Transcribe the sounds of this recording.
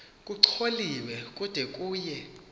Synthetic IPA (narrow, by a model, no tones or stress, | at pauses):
kʼuǀʰoliwɛk̬ʼud̥ʱɛkʼuːjɛ